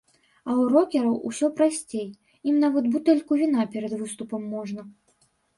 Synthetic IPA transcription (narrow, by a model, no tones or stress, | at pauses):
ɐwrɔkʲɛɾɐwʔusʲɔpɾasʲt͡sʲej | imnavɐt̪but̪ɛlʲkuvʲinapʲɛɾɐd̪vɨst̪upɐmːɔʐnɐ